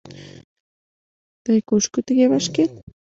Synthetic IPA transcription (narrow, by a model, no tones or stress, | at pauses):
t̪ajkʊʃkʊt̪ajaβaʃkɪl